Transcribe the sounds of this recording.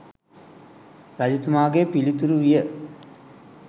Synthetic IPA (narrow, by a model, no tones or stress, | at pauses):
ɾɐd͡ʑit̪ːɐmaːɡeːpilit̪uɾuʋijɐ